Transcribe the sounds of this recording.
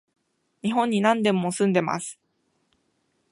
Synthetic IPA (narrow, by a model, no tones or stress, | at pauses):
ɲ̟iɦõ̞ɲ̟ːinãnd̪e̞mo̞sɨ̃nd̪e̞ma̰sɨ̥